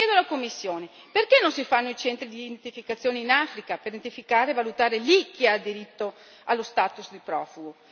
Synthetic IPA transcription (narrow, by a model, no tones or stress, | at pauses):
ɛːd̪oalakomːisːjoːne | perkenːonsifanːoit͡ʃɛnt̪ɾid̪int̪ifikat̪sːjoːneinafɾikapeɾid̪ent̪ifikaːɾeːvalut̪aːɾelik̟ːiad̪iɾit̪ːo | alːost̪aːt̪usd̪ipɾɔːfuɡo